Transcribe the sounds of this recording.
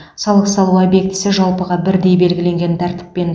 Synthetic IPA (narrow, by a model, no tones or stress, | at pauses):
sɑlˠəqsɑlˠuɑbje̞k̚t̪ɪ̥sɪʒɑlˠpəʁɑbɪɾd̪e̞jbe̞lɡʲɪle̞ŋɡʲe̞nt̪ʰæɾt̪ɪ̥pːe̞n